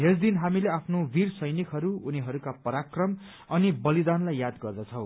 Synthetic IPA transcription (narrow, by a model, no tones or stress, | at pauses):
esd̪inɦamileapʰnobirsʌjnikɦʌɾuuniɦʌɾukapʌɾakrʌm | ʌnibʌlid̪anlajːad̪ɡʌrd̪ʌt͡sʰʌw̃